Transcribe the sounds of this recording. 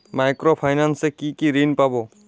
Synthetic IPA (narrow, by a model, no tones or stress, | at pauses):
majkɾɔpʰajnansekikiɾinpabɔ